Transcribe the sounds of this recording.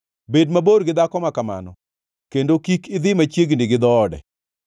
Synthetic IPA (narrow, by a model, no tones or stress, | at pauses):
bedmaboɾɡɪd̪akɔmakama̰nɔ | kendokikɪd̪ɪmat͡ʃjeɡnɪɡɪd̪ɔːdɛ̰